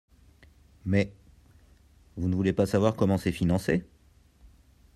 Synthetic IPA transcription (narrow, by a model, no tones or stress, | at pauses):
mɛ | vunəvulepasavwaʁkɔmɑ̃sɛfinɑ̃se